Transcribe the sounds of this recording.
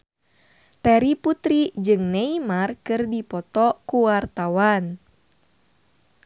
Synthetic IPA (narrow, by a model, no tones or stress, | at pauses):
t̪ɛɾiput̪ɾid͡ʒɨŋneimarkɨrdipɔt̪ɔkuwart̪awan